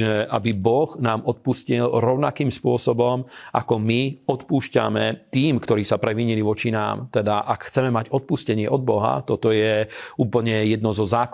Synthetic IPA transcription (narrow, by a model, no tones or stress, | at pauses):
ɛʔabibɔɣnaːmɔt̪̚puscilɾɔʊnakiːmspʊɔsɔbɔmʔa̰kɔmiɔt̪puːʃca̰mɛt̪iːmkt̪ɔɾiːsapɾɛʋiɲiliʋɔt͡ʃina̰ːmt̪ɛd̪aʔakxt͡sɛmɛmaɟɔt̪̚puscɛɲɪɛʔɔd̪̚bɔɦa̰t̪ɔt̪ɔjɛuːpl̩ɲɛjɛd̪nɔzɔzaːk